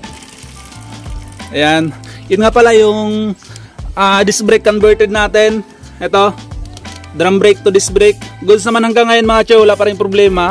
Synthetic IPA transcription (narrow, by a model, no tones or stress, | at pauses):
ʔɐjanjʊnŋapɐlajʊŋ | ʔaːd̪ɪsbɾejkːonbɛɹt̪ɛd̪̚naːt̪ɛn | ʔɛt̪o̞ | d̪ɾambɾejk̚t̪ʊd̪ɪsbɾejk̚ɡʊd̪s̬nɐmanhɐŋɡaŋːɐjonmɐŋat͡ʃɛwlapaːɾɐjʊŋpɾoblɛːma